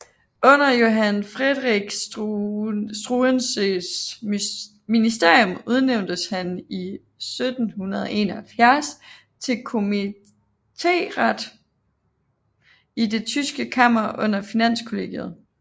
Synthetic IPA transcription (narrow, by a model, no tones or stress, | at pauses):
ɔ̽n̰ɐjo̝ɦænfʁed̥ˠʁiɡ̥ | sd̥ʁuenses | minisd̥e̝ɐ̰jɔ̽muð̞ˠneʊnd̥əshæni | sød̥n̩hunɐð̞ˠɒe̝̰nɐhælfjæɐs | t͡sʰe̝lkʰo̝mi | t͡sʰe̝̰ːʁad̥ | id̥e̝t͡sʰysɡ̥əkʰɑm̰ɐʔɔ̽n̰ɐfinæn̰skʰo̝le̝ɡ̥jeð̞ˠ